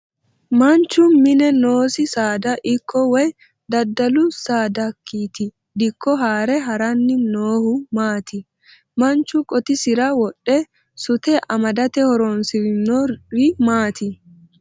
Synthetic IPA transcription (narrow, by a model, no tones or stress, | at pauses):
mɐnt͡ʃːʊmɪnɛnoːsɪsaːd̪ɐʔɪkʰːɔwɛj | d̪ɐd̪ːɐlʊsaːd̪ɐkːiːt̪ɪ | d̪ɪkːɔɦaːɾɛɦɐɾɐnːɪnoːhʊmaːt̪ɪ | mɐnt͡ʃʊkʼɔt̪ɪsɪɾɐwɔɗːɛ | sʊt̪ɛʔɐmɐd̪ɐt̪ɛhɔɾonsɪnɔɪmaːt̪ɪ